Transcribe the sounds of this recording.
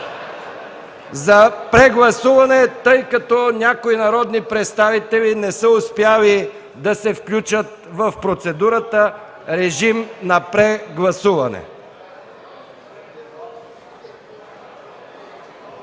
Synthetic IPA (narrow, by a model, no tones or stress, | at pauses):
zɐpɾɛɡlˠɐsuvɐnɛt̪ɤjkɐt̪ɔnʲakoinɐɾɔd̪nipɾɛt̪st̪avit̪ɛlinɛsəʊspjali | d̪ɐsɛfklʲut͡ʃət̪̚ | vɐfpɾot̪sɛd̪uɾət̪ə | ɾɛʒimnɐpɾɛɡlˠɐsuvɐnɛ̰